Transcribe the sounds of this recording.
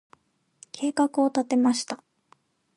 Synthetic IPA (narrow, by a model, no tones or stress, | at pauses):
kʰe̞ːkakɯ̟o̞t̪at̪e̞maɕi̥t̪a